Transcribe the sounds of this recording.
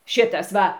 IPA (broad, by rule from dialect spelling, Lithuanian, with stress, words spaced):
ˈʃʲɪtɐs ˈʋɐ